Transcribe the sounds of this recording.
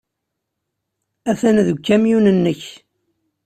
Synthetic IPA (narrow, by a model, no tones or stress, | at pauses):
æθænðɡʷkːæmjunənːəç